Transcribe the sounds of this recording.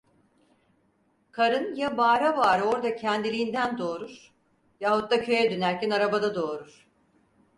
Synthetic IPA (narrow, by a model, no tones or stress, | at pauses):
kʰaɾɯnjabaːɾabaːɾɯo̞ɾd̪acʰɛnd̪ilʲiːnd̪ænd̪o̞ːɾuɾ̥ | jahut̪̚ːacʰø̞jɛd̪ønæɾcænaɾabad̪ad̪o̞ːɾuɾ̥